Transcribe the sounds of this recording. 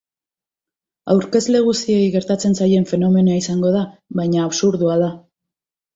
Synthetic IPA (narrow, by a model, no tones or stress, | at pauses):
awɾke̞zle̞ɣ̞usie̞jɣe̞ɾt̪at͡se̞nsaje̞ɱfe̞no̞me̞noaisaŋɡo̞ð̞aβajɲaːβsuɾðuaða